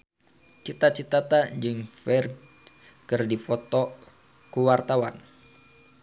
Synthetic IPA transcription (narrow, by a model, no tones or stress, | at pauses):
t͡ʃit̪at͡ʃit̪at̪ad͡ʒɨŋfɛr | kɨrdifɔt̪ɔ | kuwart̪awan